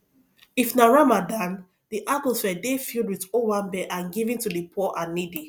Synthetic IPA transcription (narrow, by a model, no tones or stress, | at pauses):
ifnaɹamadãn | diʔatɔsfɛdefilˠd̚wiðowãmbɛʔãnɡivĩntudəpʰɔʔanːidi